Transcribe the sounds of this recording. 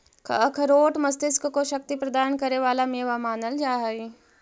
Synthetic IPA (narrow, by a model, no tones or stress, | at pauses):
kɐ̰əkʰɐɾoːʈmɐst̪ɪskkoʃɐk̚t̪ipɾɐd̪aːnkɐɾeʋaːlamẽːʋamaːnəld͡ʒaːɦəi